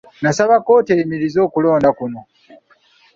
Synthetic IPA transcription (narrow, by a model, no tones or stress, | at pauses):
nasaβako̞ːteimiɾizo̞ːkulo̞ːndakuno̞